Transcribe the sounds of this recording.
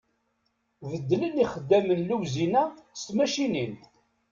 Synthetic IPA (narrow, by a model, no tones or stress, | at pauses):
vəd̪ːləniχəd̪ːæmənluwzinæst̪mæʃinin